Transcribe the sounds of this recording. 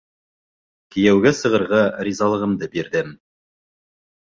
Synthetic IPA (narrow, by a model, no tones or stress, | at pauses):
kɘ̆jæwɡæsɤ̆ʁɤ̆ɾʁɑɾizɑlˠɤ̆ʁɤ̆md̪ɤbiɾd̪ɘm